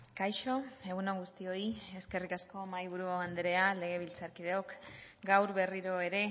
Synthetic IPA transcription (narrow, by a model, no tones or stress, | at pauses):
kajʃo̞e̞ɣunoɣust̪io̞ie̞ske̞rikasko̞majβ̞uɾuaand̪eɾe̞ale̞ɣ̞e̞β̞ilt͡saɾkiðe̞o̞kɡawɾβe̞riɾo̞e̞ɾe̞